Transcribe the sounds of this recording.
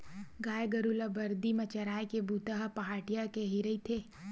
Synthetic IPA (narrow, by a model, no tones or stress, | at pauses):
ɡaːjɡɐɾulabɐɾd̪imɐt͡ʃɐɾaːjkebut̪aɦpɐɦaːʈijakeɦiɾəit̪ʰeː